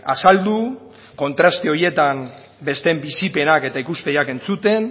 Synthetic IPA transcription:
a̰sald̪u | ko̞nt̪ɾast̪eo̞ɾje̞t̪am | be̞st̪e̞mbisipe̞nake̞t̪aikuspejake̞nt͡sut̪e̞n

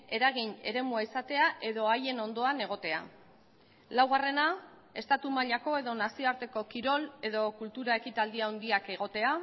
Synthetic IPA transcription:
e̞ɾaɣ̞ine̞̰ɾe̞muaisat̪e̞aʔe̞ðo̞aje̞no̞nd̪o̞ane̞ɣ̞o̞t̪e̞a̰ | lawɣ̞are̞na | e̞st̪at̪umaʎako̞e̞ðo̞nasioaɾt̪e̞ko̞kiɾo̞le̞ðo̞kult̪uɾae̞kit̪ald̪iaond̪iake̞ɣ̞o̞t̪e̞a

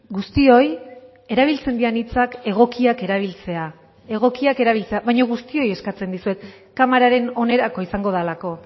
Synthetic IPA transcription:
ɡust̪io̞j | e̞ɾaβ̞ilt͡se̞nd̪ianit͡sake̞ɣ̞o̞kiake̞ɾaβ̞ilt͡se̞a | e̞ɣ̞o̞kiake̞ɾaβ̞ilt͡se̞aβajɲoɣ̞ust̪io̞je̞skat͡se̞nd̪isue̞t̪ | kamaɾaɾe̞no̞ne̞ɾako̞isaŋɡo̞ðalako̞

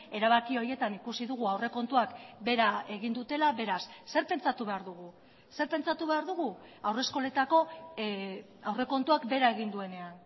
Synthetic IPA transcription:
e̞ɾaβ̞akio̞ɾje̞t̪anikusiðuɣ̞uawre̞ko̞nt̪uakbe̞ɾaeɣind̪ut̪e̞laβe̞ɾasːe̞ɾpe̞nt͡sat̪uβe̞aɾðuɣ̞u | se̞ɾpe̞nt͡sat̪uβe̞aɾðuɣ̞uawre̞sko̞le̞t̪ako̞ | awre̞ko̞nt̪uakbe̞ɾae̞ɣind̪ue̞ne̞an

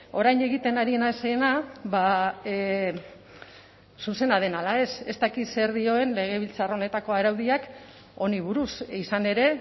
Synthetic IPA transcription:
o̞ɾajne̞ɣit̪e̞naɾienaseːnaβa | suse̞nað̞e̞nalae̞se̞st̪akit̪se̞ɾðio̞e̞nle̞ɣ̞e̞β̞ilt͡saro̞ne̞t̪ako̞aɾawðiak | o̞niβ̞uɾusisane̞ɾe̞

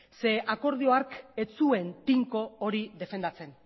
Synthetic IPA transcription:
se̞ʔako̞ɾð̞io̞aɾke̞t͡sue̞nt̪iŋko̞ːɾiðe̞fe̞nd̪at͡se̞n

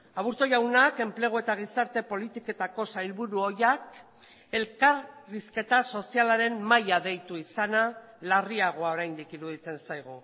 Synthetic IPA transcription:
aβuɾt̪o̞jawnake̞mple̞ɣ̞oe̞t̪aɣ̞isaɾt̪e̞po̞lit̪iko̞t̪ako̞sajlβuɾuo̞jak | e̞lkaɾriske̞t̪aso̞sialaɾe̞mmajaðe̞jt̪uisana | lariaɣ̞o̞ao̞ɾajnd̪ikiɾuðit͡se̞nsajɣ̞u

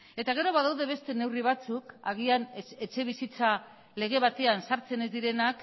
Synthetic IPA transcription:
e̞t̪aɣ̞e̞ɾo̞βaðawðe̞βe̞st̪e̞ne̞wriβ̞at͡sukaɣ̞iane̞t͡ʃe̞β̞isit͡sa | le̞ɣ̞e̞βat̪e̞ansaɾt͡se̞ne̞zd̪iɾe̞nak

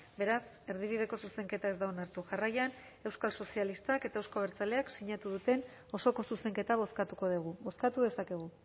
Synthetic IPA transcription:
be̞ɾas | e̞ɾð̞iβ̞ið̞e̞ko̞suse̞ŋke̞t̪ae̞zd̪aonaɾt̪uʝarajan | e̞wskalso̞sialist̪ake̞t̪aewskoβeɾt͡sale̞aksiɲat̪uðut̪e̞n | o̞so̞ko̞suse̞ŋke̞t̪aβ̞o̞skat̪uko̞ð̞eɣ̞uβo̞skat̪uðe̞sake̞ɣ̞u

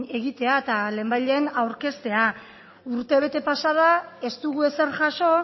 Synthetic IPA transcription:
e̞ɣit̪e̞aet̪ale̞ːmbajʎe̞ːnawɾke̞st̪e̞a | uɾt̪e̞β̞e̞t̪e̞pasað̞ae̞st̪uɣ̞ue̞se̞ɾʝaʃo̞

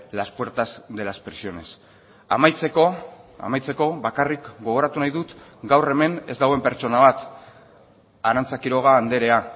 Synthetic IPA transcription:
laspwe̞ɾt̪azd̪e̞laspɾesio̞ne̞s | a̰majt͡seko̞a̰majt͡se̞ko̞βakarikɡo̞ɣ̞o̞ɾat̪unajðut̪ɡawre̞me̞ne̞zd̪aɣwe̞mpe̞ɾt͡ʃo̞naβ̞at̪ | aɾant͡sakiɾo̞ɣ̞aːnd̪e̞ɾe̞a

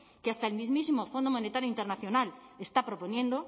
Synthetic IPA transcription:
keast̪aelmizmisimofond̪omonet̪aɾjoint̪eɾnaθjonalest̪apɾoponjẽnd̪o

